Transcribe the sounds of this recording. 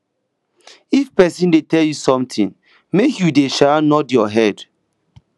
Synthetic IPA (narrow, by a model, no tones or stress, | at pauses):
ifpɛsĩndetɛljusɔ̃mtʰĩn | mekjudeʃanɔdjɔɦɛd̥